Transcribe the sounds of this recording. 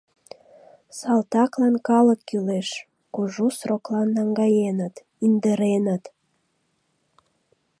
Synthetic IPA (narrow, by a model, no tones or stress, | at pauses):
sɑlt̪ɑklɑnkɑləkːyleʃ | kuʒusroklɑnːɑŋɡɑjenət̪ | ind̪əɾenət̪